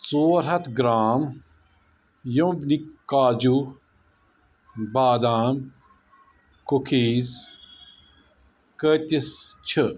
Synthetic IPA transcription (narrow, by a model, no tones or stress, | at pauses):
t͡soːɾɦɐt̪ʰɡɾaːm | jõbnikaːd͡ʒu | baːd̪aːm | kukʰiːz | kət̪ist͡ʃʰɨ